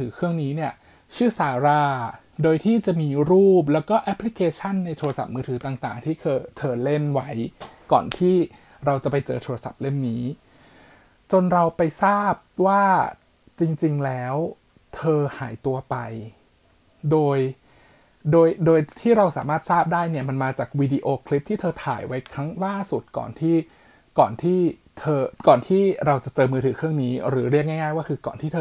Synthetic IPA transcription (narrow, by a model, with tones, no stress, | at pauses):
t̪ʰɯː˩˦kʰɾɯ˥˩əŋniː˦˥ni˥˩ɐ | t͡ɕʰɯː˥˩saː˩˦ɾaː˧ | doː˧jt̪ʰiː˥˩t͡ɕa˨˩ʔmiː˧ɾuː˥˩p̚lɛː˦˥wkɔː˥˩ʔɛ˦˥pʰːli˦˥kʰeː˧t͡ɕʰa˥˩nːa˧jt̪ʰoː˧ɾa˧sa˨˩p̚mɯː˧t̪ʰɯː˩˦t̪aː˨˩ŋt̪a̰ː˨˩ŋt̪ʰiː˥˩kʰɤː˧t̪ʰɤː˧le˥˩nwa˦˥jkɔ̰ː˨˩nt̪ʰiː˥˩ | ɾa˧wt͡ɕa˨˩pa˧jt͡ɕɤ̰ː˧t̪ʰoː˧ɾa˧sa̰˨˩p̚le˥˩nniː˦˥ | t͡ɕo˧nɾa˧wpa˧jsaː˥˩p̚waː˥˩ | t͡ɕi˧ŋt͡ɕi˧ŋlɛː˦˥w | t̪ʰɤː˧ha̰ː˩˦jt̪u˧ɐpa˧j | doː˧j | doː˧jdoː˧jt̪ʰiː˥˩ɾa˧wsa̰ː˩˦maː˥˩t̪̚saː˥˩p̚daː˥˩jni˥˩ɐma˧nmaː˧t͡ɕaː˨˩k̚wiː˧diː˧ʔoː˧kʰli˦˥p̚t̪ʰiː˥t̪ʰɤː˧t̪ʰa̰ː˨˩˦jwa˦˥jkʰɾa˦˥ŋlaː˥˩su˨˩t̪̚kɔ̰ː˨˩nt̪ʰiː˥˩ | kɔː˨˩nt̪ʰiː˥˩ | t̪ʰɤː˧kɔː˨˩nt̪ʰiː˥˩ɾa˧wt͡ɕa˨˩t͡ɕɤː˧mɯː˧ɯː˩˦kʰɯ˥˩əŋniː˦˥ɾɯː˩˦ɾi˥˩k̚ŋɛ˥˩ŋaː˥˩jwaː˥˩kʰɯː˧kɔ̰ː˨˩nt̪iː˥˩t̪ʰː